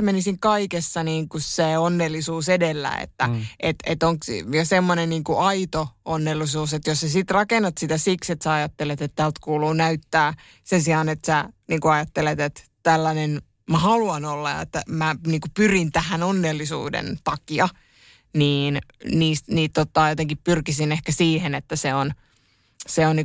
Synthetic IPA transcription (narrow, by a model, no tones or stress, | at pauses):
menisiŋkɑikesːɑniːŋkusseonːelːisuːsedelːæ̰ḛt̪ːæʔet̪et̪oŋksjɑsemːonenniːŋkuʔɑit̪oonːelːisuːset̪jossæsit̪rɑkenːɑt̪sit̪æsikset̪sæɑjɑt̪ːelet̪et̪t̪ælt̪kuːluːnæyt̪ːæː | sensiɑnet̪sæniːŋkuɑjɑt̪ːelet̪et̪t̪ælːænen | mæhɑluɑnolːɑ̰ḛt̪ːæmæniːŋkupyrint̪æhænonːelːisṵːdḛnt̪ɑkiɑ | niːnniːst̪niːt̪t̪ot̪ːɑːjot̪eŋkippyrkisinehkæsiːhenet̪ːæseon | seonni